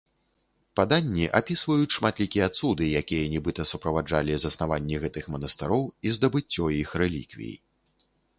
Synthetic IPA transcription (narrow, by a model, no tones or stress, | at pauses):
pad̪anʲːiʔapʲisvɐjut͡sʲʂmat̪lʲikʲijɛɐat̪sud̪ɨjakʲijɐnʲɛbɨt̪ɐsupɾɐvad͡ʐalʲizɐsnavanʲːiɣɛt̪ɨxmɐnɐst̪ɨɾɔwizd̪ɐbɨt͡sʲːɔjixɾɛlʲḭkvʲḭjḭ